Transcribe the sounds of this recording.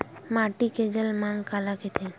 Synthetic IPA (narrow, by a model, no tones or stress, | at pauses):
maʈiked͡ʑəlmaŋkalaket̪ʰe